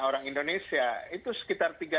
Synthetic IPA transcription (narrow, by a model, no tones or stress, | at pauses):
oɾaŋindonesiait̪usə̥kit̪art̪iɡa